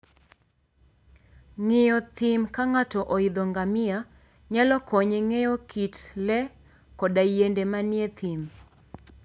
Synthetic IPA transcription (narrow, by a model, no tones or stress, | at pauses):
ŋejɔt̪imkaŋatɔʔɔɪd̪ɔŋɡamɪa | ɲalɔkʰɔɲeŋejɔkʰitlɛ | kɔdajendemanjet̪ʰim